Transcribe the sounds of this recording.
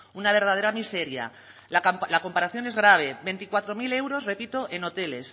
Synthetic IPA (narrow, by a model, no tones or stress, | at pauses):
unaβ̞e̞ɾð̞að̞eɾamise̞ɾja̰ | lalako̞mpaɾaθjo̞ne̞zɣ̞ɾaβ̞e̞βe̞nt̪ikwat̪ɾo̞mile̞wɾo̞zre̞pit̪o̞ʔe̞no̞t̪e̞le̞s